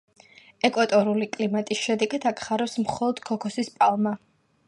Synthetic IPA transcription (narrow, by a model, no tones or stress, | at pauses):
ɛkʼwat̪ʼɔɾulikʼlimat̪ʼisʃɛd̪ɛɡad̪akʰχaɾɛwsmχɔlˠɔd̪̥kʰɔkʰɔsispʼalˠma